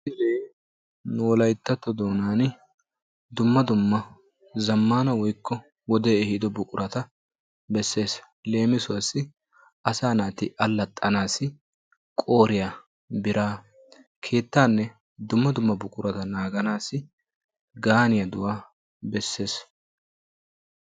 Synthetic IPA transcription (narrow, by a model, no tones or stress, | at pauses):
ɪleː | noːlɐjt̪ːɐt̪ːɔd̪o̞ːnaːnɪ | d̪ʊmːɐd̪ʊmːɐ | zɐmːaːnɐwɔjkʰːɔ | wɔd̪eːɛhɪd̪ɔbʊkʼʊɾʔɐt̪ɐ | bɛsːe̞ːs | le̞ːmɪsʊwɐsːɪ | ʔɐsaːnaːt̪ɪʔɐlːɐt̪ʼːɐnaːsɪ | kʼo̞ːɾɪja | bɪɾaː | kʰe̞ːt̪ːaːnːɛ | d̪ʊmːɐd̪ʊmːɐbʊkʼʊɾɐt̪ɐnaːɡɐnaːsɪ | ɡaːnɪjɐd̪ʊwaː | bɛsːe̞ːs